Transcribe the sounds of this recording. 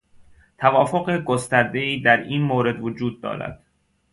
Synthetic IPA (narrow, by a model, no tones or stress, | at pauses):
t̪ʰævɒːfoɢeɡost̪æɾd̪e̞iːd̪æɾiːnmoːɾe̞d̪vod͡ʒuːd̪̚ːɒ̰ːɾæ̰d̪̥